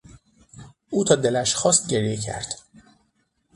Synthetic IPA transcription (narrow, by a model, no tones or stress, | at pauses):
ʔuːt̪ʰɒːd̪e̞læʃxɒːst̪̚ɟe̞ɾjecʰæ̰ɾd̪̥